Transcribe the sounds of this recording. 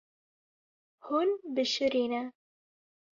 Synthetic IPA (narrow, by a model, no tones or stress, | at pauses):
hunbɨʃɨɾeːnɛ